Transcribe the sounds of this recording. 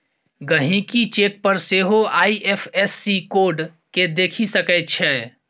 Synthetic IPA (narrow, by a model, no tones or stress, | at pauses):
ɡəɦĩkit͡ʃek̚pəɾseɦoaːiʔepʰesːikoːɾɖ | ked̪eːkʰisəkət͡ʃʰɛ